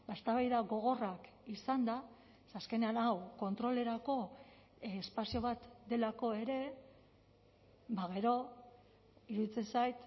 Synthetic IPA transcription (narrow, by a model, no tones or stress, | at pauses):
b̥aest̪aβajðaɣo̞ɣ̞o̞rak | isand̪a | saske̞ne̞anawko̞nt̪ɾo̞le̞ɾako̞ː | spasio̞β̞at̪d̪e̞lako̞e̞ɾe̞ | baɣ̞e̞ɾo̞ | iɾuðit͡se̞nsajt̪